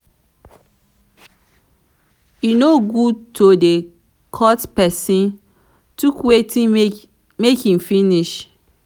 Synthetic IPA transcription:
jinoɡud̚tʰode | kʰɔtpɛsĩn | tukwetĩ | mekĩmfiniʃ

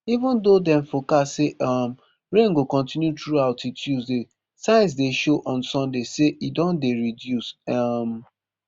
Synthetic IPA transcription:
ivə̃ndodɛ̃ɱfokaseʔam | ɹẽŋɡokɔ̃ntĩnjutɹuaʊtitʰjuzde | sãɪ̃ns̬deʃoʔɔ̃nsɔ̃ndeseʔidɔ̃ndeɹidjusam

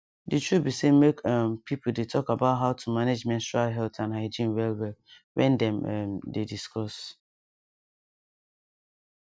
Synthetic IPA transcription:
ditubisemekampʰipl̩detʰɔkabaʊtɦaʊtʰumaned͡ʒmɛ̃nstualɦɛltãnɦaɪd͡ʒĩnwɛlwɛl | wʔɛ̰̃ndɛ̃mɛmdediskʰɔs

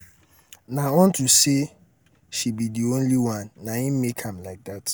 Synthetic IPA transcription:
nãɔ̃ntʰuse | ʃibidiõnliwãnːãĩmmekʰãmlaɪk̚dat

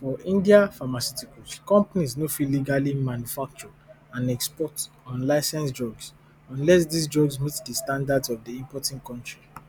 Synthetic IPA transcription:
fɔĩndiafamasutikutkɔ̃mpanisnofiliɡalimãnjufak̚t͡ʃɔ | ãnɛkspɔt | ɔ̃nlaɪsɛ̃nsd͡ʒɔɡs | ɔ̃nlɛs̬disd͡ʒɔɡsmitdəstãndadzɔvdiĩmpɔtĩŋkɔ̃ntɹi

